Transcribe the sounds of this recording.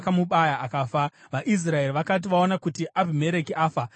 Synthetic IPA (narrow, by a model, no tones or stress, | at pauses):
kamuɓajaʔakaːfa | ʋaʔis̬rae̞riʋakat̬iʋaonakutiʔabʱime̞ɾe̞kiaːfa